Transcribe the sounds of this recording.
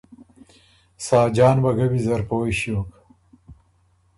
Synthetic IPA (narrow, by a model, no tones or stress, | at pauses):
saːd͡ʒaːnbɐɡɐbizɐɾpoːjɕjoːk